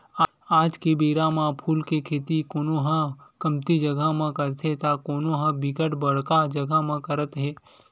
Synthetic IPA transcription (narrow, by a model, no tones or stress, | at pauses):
aːd͡ʒkebeːɾamãpʰuːlkekʰeːt̪ikoːnoɦãkəmt̪id͡ʒəɡʱamãkəɾt̪ʰet̪akoːnoɦãbɪkəʈbəɽ̤kad͡ʒəɡamãkəɾət̪ɦeː